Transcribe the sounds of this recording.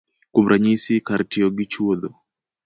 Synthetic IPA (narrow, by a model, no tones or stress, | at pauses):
kumɾʔaɲisikaɾtiɔɡit͡ʃuɔðɔ